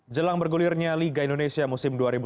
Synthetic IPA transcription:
d͡ʒəlaŋbərɡulɪrɲaliɡaindonesiamusɪmduaɾibu

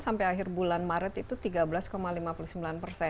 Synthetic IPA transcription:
sampajaɦɪrbulanmaɾət̪it̪ut̪iɡabəlaskomalimapulusəmbilanpərsɛ

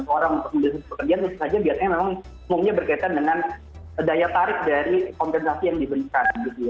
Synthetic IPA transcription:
t̪uoɾaŋunt̪ʊk̚məmbəlisat̪ibəkərd͡ʒianunt̪usad͡ʒabiat̪̚ɲamemaŋ | umumɲabərkait̪andəŋan | dajat̪aɾɪk̚daɾikɔmpɛnsasijaŋdibəlikanɡit̪uja

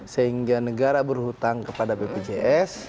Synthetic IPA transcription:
səɦiŋɡanəɡaɾabərhut̪aŋkəpadabeped͡ʒeʔɛs

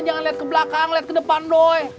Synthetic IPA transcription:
d͡ʒaŋanliat̪̚kəblakaŋliat̪̚kədəpandoj

